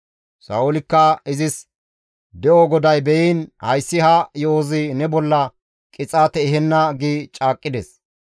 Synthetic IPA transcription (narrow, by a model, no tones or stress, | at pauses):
sɐ̰ʊlɪkːɐɪzɪs | d̪ɛʔoɡɔd̪ɐjbɛjiːnhɐjsːɪhɐjozɪnɛbɔlːɐ | kʼɪt͡sʼaːt̪ɛɦɛnːɐɡit͡ʃʼaːkʼːɪd̪ɛs